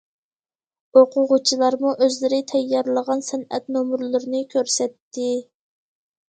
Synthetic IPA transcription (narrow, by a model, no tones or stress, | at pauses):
oqʰʊʁʊt͡ʃʰilˠɑɾmuʔøzlɪɾɪt̪ʰɛjːɑɾlˠəʁɑnsɛnɛ̰t̪nomuɾlˠɨɾɨnɨkʲʰøɾsɛt̪ːɪ